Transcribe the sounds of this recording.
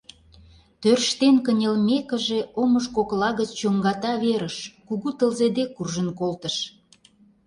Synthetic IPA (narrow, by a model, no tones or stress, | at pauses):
t̪ørʃt̪enkənʲelmekə̆ʒeoməʃkoklɑɣət͡ɕt͡ɕoŋɡɑt̪ɑβeɾəʃkuɣut̪əlzed̪ekːurʒənkolt̪əʃ